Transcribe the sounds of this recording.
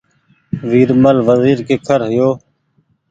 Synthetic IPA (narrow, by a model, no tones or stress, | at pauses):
ʋiːɾməlʋəziːɾkeːkʰəɾɦɪjoː